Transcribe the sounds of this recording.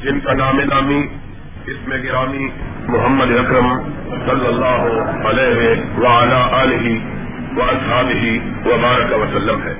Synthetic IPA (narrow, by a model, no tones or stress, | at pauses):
d͡ʒɪnkanaːmenaːmi | ɪsmẽɡɪɾaːmi | mʊɦəmːəd̪eɐkɾəm | sɐlːɐlːaːɦʊɐlɛːɦeʋɐɐlaːʔaːlɪɦi | ʋɐɐshaːbɪɦi | ʋɐbaːɾəkɐʋɐsɐlːəmɦɛ̰ː